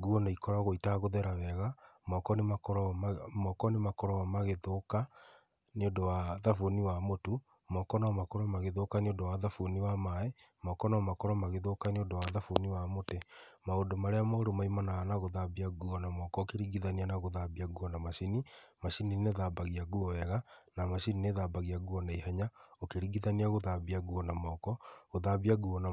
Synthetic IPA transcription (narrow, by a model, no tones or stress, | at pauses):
ɡuɔnaikɔɾaɣoitaɣoðɛɾawɛɣamɔkɔnemakɔɾɔmɔkɔnemakɔɾɔamaɣeðoka | neondɔwaðafoniwamotu | mɔkɔnaɔmakɔɾɔmaɣeðokaneondɔwaðafoniwamaɛ | mɔkɔnaɔmakɔɾɔmaɣeðokaneondɔwaðafoniwamotɛmaondomaɾeamaoɾomaimanaanaɣoðabiaɣuɔnamɔkɔokeɾiɣiðanianaɣoðabiaɣuɔnamaʃinimaʃinineðabaɣiaɣuɔɛɣanamaʃinineðabaɣiaɣuɔnaiɦɛɲaokeɾiɣiðaniaɣoðaβiaɣuɔnamɔkɔɣoðaβiaɣuɔna